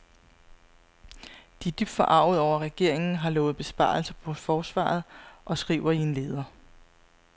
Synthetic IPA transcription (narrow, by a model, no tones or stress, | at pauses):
d̥id̥yb̥d̥fɒʔɑ̈ʊ̰ð̩ˠɒʊ̰ɐʁɛɡ̥e̝ɐ̰e̝ŋn̩ɦɑ̈lɔ̽ːð̩ˠb̥e̝sb̥ɑ̰̈ːlsɐpʰɒ̽fɒːsʋɑ̰̈ːð̞̩ˠʔɒ̽sɡ̥ʁḭːʊɐinle̝ːð̞ˠɐ